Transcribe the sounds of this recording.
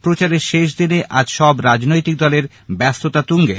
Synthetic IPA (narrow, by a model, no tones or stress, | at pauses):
pɾot͡ɕaɾeɾʃeʃ̬d̪ineʔad͡ʑʃɔbɾad͡ʑnojt̪ik̚d̪ɔleɾ | bɛst̪ot̪at̪uŋɡe